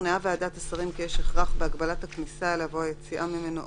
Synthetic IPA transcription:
neaveadat̪asaʁimkijeʃeχʁaχbeaɡbalathaknisaelavoajet͡siʔamimeno

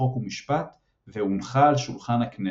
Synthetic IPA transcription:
okumiʃpat̪ | veunχaːlʃulχanakne

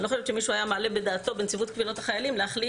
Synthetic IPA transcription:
lo̞χoʃevt͡ʃemiʃuajamaale̞bed̪aːt̪o̞bent͡sivut̪kvilo̞t̪haχajalimleaχli

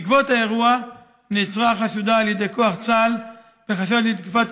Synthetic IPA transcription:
kvo̞t̪ae̞ʁua | nit͡sʁaχaʃud̪aːljed̪e̞jko̞aχt͡sal | b̥eχaʃad̪id̪kifat

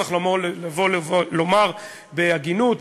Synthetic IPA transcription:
aχlomolavolomaʁ | beaɡinut

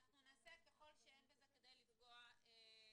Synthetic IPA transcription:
naχnunnasekeχo̞lʃeenbezeked̪ajlifɡoae

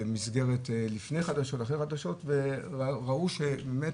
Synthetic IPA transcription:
misɡe̞ʁetlifne̞jχad̪aʃo̞taχeχadaʃo̞tveaʁauʃebemet

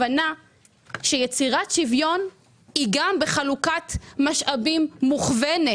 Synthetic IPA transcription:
ana | ʃejet͡siʁatʃivjo̞n | hiɡambeχalukatmaʃʔabimːuχvene

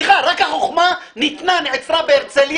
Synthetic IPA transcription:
χaɾakhaχoχma | nit̪nanʕet͡sɾabeeʁt͡selj

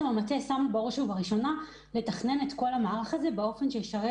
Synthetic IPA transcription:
mamatesamuboʁʃuvaʁiʃo̞na | le̞taχne̞ne̞t̪ko̞lamaːʁaχaze̞beo̞fe̞nʃejiʃaʁe

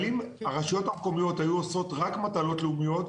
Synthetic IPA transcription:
lim | aʁaʃijo̞tamko̞mijo̞thajuoso̞tʁakmatalo̞tleumijo̞t

